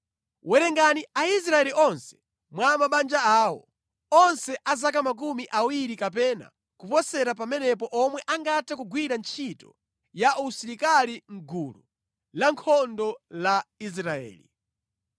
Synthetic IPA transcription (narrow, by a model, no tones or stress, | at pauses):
wɛɾɛŋɡaniais̬ɾaɛliʔɔnsɛ̥ | mwamaɓand͡ʒaaːwɔ̰ | ɔnsɛʔazakamak̬umiʔawiɾikapɛna̰ | kupɔsɛɾap̬amɛnɛpɔʔɔmwɛʔaŋɡatʰakuɡwiɾant͡ʃʰitɔ̰ | jausiɾikaliŋ̩ɡulṵ | laŋkʰɔndɔlais̬ɾaɛ̰ːlḭ